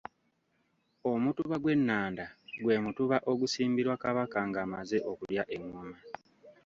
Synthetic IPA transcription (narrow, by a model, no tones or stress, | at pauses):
o̞mutuβaɡwe̞nːaːndaɡwe̞ːmutuβaʔo̞ɡusiːmbiɾwakaβakaŋɡaːmaze̞ʔo̞kuljaʔe̞ŋːuma